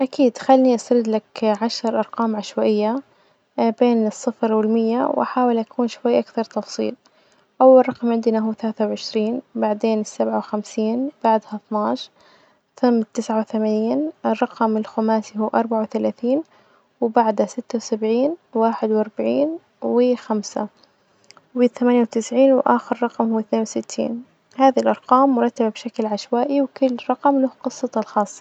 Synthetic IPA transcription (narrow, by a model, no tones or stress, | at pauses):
ʔakiːd̪xalːiʔast̪aɾɪd̪lakʕaʃɾˤʔɑɾˤqɑːmʕaʃwaʔɪjːa | beːnɨsˤːɨfɾwɪlmɪjːawʔaħaːwɪlʔakʰuːnʃwajːʔakθɑɾˤt̪ɑfsˤḭːl | ʔawːalˤɑqmʕɪnd̪naɦuːθalaːθawʕɪʃɾiːnbaʕd̪eːnɪsːabʕawxamsiːnb̥aʕd̪hat̪nɑːʃ | θʊmːt̪ːɪsʕawθamaːniːnʔɪrˤːɑqɑmɪlxʊmaːsihuːʔɑɾˤbaʕawθalaːθiːn | wbaʕd̪hasɪt̪ːawsabʕiːnwaːħɪd̪wʔɑɾˤbaʕiːn | wɪxamsa̰ | wɪθamaːnjawt̪ɪsʕiːnwʔaːxɪɾːˤɑqɑmhʊwːɪθneːnwsɪt̪ʰːḭːn | haːðilʔɑɾˤqɑːmːʊɾˤɑt̪ːababʃaklʕaʃwaːʔiwkʊlːɾˤɑqɑmlʊhqɨsˤːɑt̪lxɑːsˤːɑ̥